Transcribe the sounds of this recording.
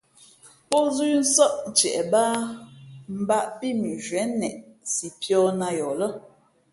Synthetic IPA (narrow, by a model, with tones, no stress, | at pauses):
po˦zʉ˦n̩˦sɔ˦ʔ̩˨t͡ʃɛ̰˨ʔbaː˦ | m̩˨˦ba˦ʔpi˦mi˨ʒɥɛ˨˦nɛ˨ʔsi˨pjɔ˦na˦jɔ˨lə˦